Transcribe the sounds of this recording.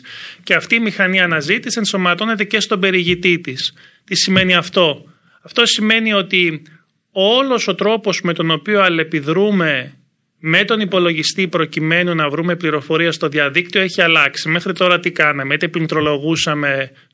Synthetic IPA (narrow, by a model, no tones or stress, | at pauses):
ceɐft̪iːmixɐniɐːnɐzit̪ise̞nso̞mɐt̪o̞ne̞t̪e̞ce̞st̪o̞be̞ɾiʝit̪it̪is | t̪isime̞niɐft̪o̞ | ɐft̪o̞sime̞nio̞t̪i | o̞lo̞so̞t̪ɾo̞po̞zme̞t̪o̞no̞pioɐle̞piðɾume̞ | me̞t̪o̞nipo̞lo̞ʝist̪ipɾo̞cime̞nunɐvɾume̞pliɾo̞fo̞ɾiɐst̪o̞ðiɐðik̚t̪io̞e̞çiɐlɐksime̞xɾit̪o̞ɾɐt̪ikɐnɐmet̪epint̪ɾo̞lo̞ɣusɐme̞